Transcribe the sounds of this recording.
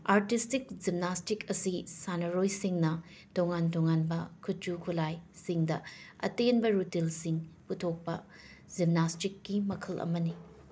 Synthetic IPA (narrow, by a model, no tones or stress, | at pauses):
aɾtistik̚d͡ʒimnastikɐsisanɐɾojsiŋnɐ | toŋantoŋanbɐkʰut̚d͡ʒukʰulajsiŋdɐɐ̰tenbɐɾutilsiŋputʰok̚pɐ | d͡ʒimnastikːimɐkʰɐlʔɐ̰mɐni